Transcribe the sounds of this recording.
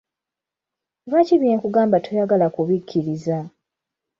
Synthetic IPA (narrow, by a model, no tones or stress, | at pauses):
βaciβjekuɡaːmbatʰojaɡalakuβikʰːiɾiza